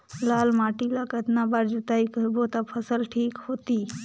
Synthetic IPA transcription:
laːlmaːʈilakət̪nabaɾd͡ʒut̪aikəbot̪apʰəsəlʈʰiːkhot̪iː

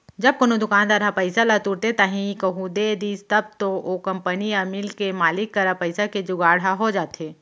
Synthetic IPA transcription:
d͡ʒɐb̚kʊnõd̪ʊkaːnd̪aɾapɐɪsalat̪uːɾt̪et̪aɦĩkɐɦũd̪ed̪iːst̪ɐb̚t̪ookɐ̃mpəniamilkemaːlɪkːɐɾapɐɪsaked͡ʒʊɡaːɽ̤aɦod͡ʒaːt̪eː

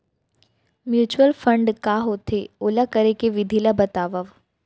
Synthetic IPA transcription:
mjuːt͡ʃuwəlfʰə̃ɳɖkaɦot̪ʰeoːlakɐɾekeʋɪd̪ʱiləbɐt̪aːʋəʋ

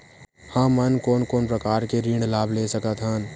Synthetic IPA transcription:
hãːmənkoːnkoːnpɾəkaːɾkeɾĩːɳlaːblesəkət̪ɦə̃ːn

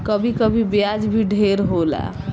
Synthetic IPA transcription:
kəbʱikəbʱibjad͡ʒbʱiɖʱeɾɦola̰

